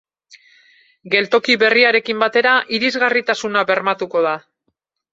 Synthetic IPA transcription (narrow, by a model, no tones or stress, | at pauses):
ɡe̞lt̪o̞kiβe̞riaɾe̞kimbat̪e̞ɾaʔiɾizɣarit̪asunaβe̞ɾmat̪uko̞ð̞a